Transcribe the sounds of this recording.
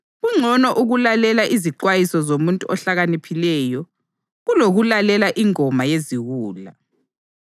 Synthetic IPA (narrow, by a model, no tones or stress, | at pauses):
ɣuŋ͡ǀʱɔnɔʔuɣulalɛlaʔiziǃwajisɔzomuntʼuʔɔɬaɣanipʰilɛːjɔ | ɣuloɣulalɛlaʔiŋɔmajeziɣuːla